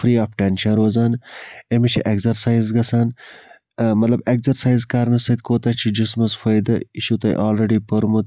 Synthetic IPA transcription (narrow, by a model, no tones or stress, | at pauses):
fɾiːaːfʈenʃɐnɾoːzaːnemit͡ʃʰiʔeɡzɐɾsaːjzɡɐsaːn | mɐt̪lɐbekzɐɾsaːjzkaːɾnɐsɐd̪koːt̪ɐːt͡ʃʰid͡ʒusmɐsfɐjd̪ɐiʃut̪ɐ̰ʔaːlɾeɖiːpɐɾmut̪